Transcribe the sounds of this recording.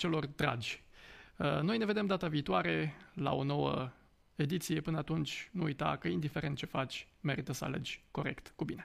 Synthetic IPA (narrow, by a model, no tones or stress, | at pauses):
t͡ʃe̞lo̞rd̪ɾa̰d͡ʒʲ | əno̞jneve̞d̪e̞md̪at̪aviːt̪oaɾe̞la̰o̞no̞wə | e̞d̪it̪sije̞pɨnəat̪unt͡ʃʲnuujt̪a̰kəind̪ife̞ɾent̪̚t͡ʃe̞fat͡ʃʲme̞ɾit̪əsəa̰le̞̰d͡ʒʲko̞ɾe̞̰kt̪kubine̞